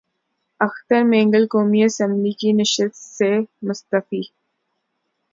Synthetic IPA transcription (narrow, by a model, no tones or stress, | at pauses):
ɐxt̪əɾmɛ̃ːŋɡəlkoːmiɐsə̃mblikinɪʃət̪semʊst̪əfiː